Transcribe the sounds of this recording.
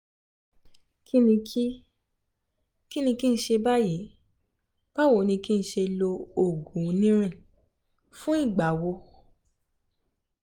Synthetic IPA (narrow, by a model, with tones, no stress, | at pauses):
ki˦nĩ˧ki˦ | ki˦nĩ˧ki˦n̩˦ʃe˧ba˦je˨˦ | b̥a˦wo˨˦nĩ˧ki˦n̩˧˦ʃe˧lo˧o˨ɡũ˨˦nĩ˦ɾ̃ĩ˦˨ | fũ˦i˦˨ɡ͡ba˨wo˧